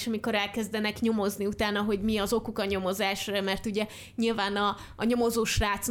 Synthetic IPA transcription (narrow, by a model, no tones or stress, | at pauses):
ʃɒmiko̞ɾɛlkɛzd̪ɛnɛkɲo̞mo̞zniut̪aːnɒɦo̞ɟmiɒzo̞kukɒɲo̞mo̞zaːʃrmɛrt̪uɟɛ | ɲilvaːnɒː | ɲo̞mo̞zoːʃraːt̪s